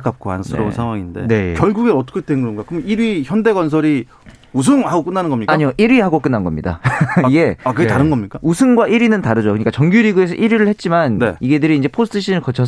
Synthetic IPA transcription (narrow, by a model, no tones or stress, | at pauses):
k͈ap̚k͈oa̰nsʰɯ̰ɾʌunsʰaŋwaŋinde̞̰nejkjʌɭɡuɡeʌt͈ʌ̥kʰet͈enɡɯɾʌnɡakɯɯmniɾɥiçjʌnde̞ɡwans̬ʰʌɾi | us̬ʰɯŋhaɡok͈ɯnːanɯnɡʌmɲikaaɲioʔiɾɥihaɡok͈ɯnːanɡʌmɲida̰iɡe̞akɯɡetaɾɯnɡʌmɲik͈ausʰɯnɡwaʔiɾinɯntaɾɯd͡ʑokɯɲik͈at͡ɕʌŋɡjuɾiɡue̞s̬ʰʌʔiɾiɾɯɭhe̞t̚t͡ɕ͈imanne̞̰iɡe̞dɯɾiːnd͡ʑe̞pʰosʰɯ̥tʰɯɕʰinɯɭkʌt͡ɕʰʌ